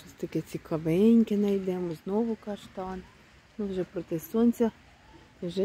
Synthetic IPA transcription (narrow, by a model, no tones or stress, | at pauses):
ʃɔsʲt̪ɐkɛt͡sʲikɐʋɪnʲkɪnɐjd̪ɛmɔznɔʋʊkɑʃt̪ɑn | nuʋʒɛpɾɔt̪ɛsɔnʲt͡sʲɐ | ʒɛ